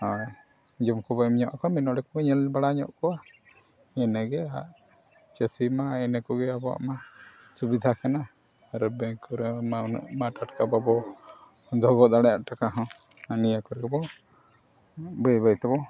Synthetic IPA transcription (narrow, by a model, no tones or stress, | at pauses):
a | d͡ʒɔmkɔbɔmɲɔʔakɔminɔɖɛkɔɡɛɲɛlbaɽaɲɔ̰ʔkɔwa | ɛnɛɡɛaʔ | t͡ʃɛsimaɛnɛkɔɡɛabɔwa̰ʔma | subid̪ʱakana | ɾɛbɛkɔɾɛ̰ʔmaʈaʈkababɔ | d̪ʱɔɡɔd̪aɽɛjaʔʈakaɦɔ̃ | anijakɔɾɡɛbɔ | bɛjβajt̪ɛbɔ